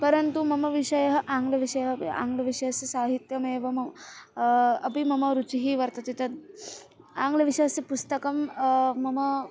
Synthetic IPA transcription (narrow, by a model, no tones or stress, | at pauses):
pɐɾɐnt̪umɐmɐʋiʂɐjɐɦɐʔaːŋɡlɐʋiʂɐjɐɦɐa̰ːŋɡlɐʋiʂɐjɐsjɐsaːɦit̪jɐmeːʋɐmɐ | ɐpimɐmɐɾut͡ʃiɦiʋɐɾt̪ɐt̪it̪ɐd̪̚ | aːŋɡlɐʋiʂɐjɐsjɐpust̪ɐkɐmmːɐmɐ